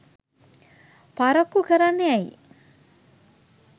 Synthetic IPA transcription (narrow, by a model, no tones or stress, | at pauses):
paɾɐkukəɾanːeaḭ